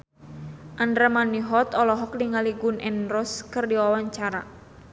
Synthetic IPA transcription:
ʔandɾamaniɦɔt̪ɔlɔɦɔk̚niŋaliɡunɛnrɔskɨrdiwawaɲt͡ʃaɾa̰

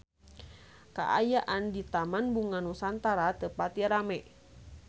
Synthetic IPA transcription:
ka̰ʔajaʔandit̪amanbuŋanusant̪aɾat̪əpat̪iɾamɛ

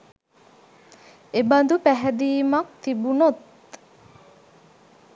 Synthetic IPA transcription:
eband̪upæɦɛd̪iːmɐk̚t̪ibunot̪

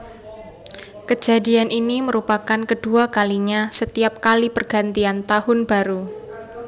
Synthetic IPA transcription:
kəd͡ʒ̥a̤dianʔiniməɾupakankəd̥uakaliɲasət̪iap̚kalipərɡ̥a̤nt̪iant̪ahʊnb̥a̤ɾu

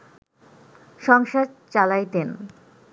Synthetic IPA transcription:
ʃɔŋʃad̪̚t͡ɕalajt̪en

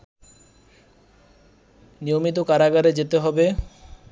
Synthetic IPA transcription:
nijomit̪̬okaɾaɡaɾed͡ʑet̪eɦɔbe

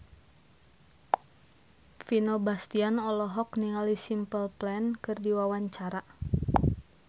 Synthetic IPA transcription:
finɔbast̪ianɔlɔɦɔkniŋalisimpəlplɛnkɨrdiwawaɲt͡ʃaɾa

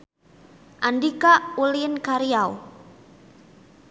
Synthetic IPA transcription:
ʔandikauliənkaɾiaw

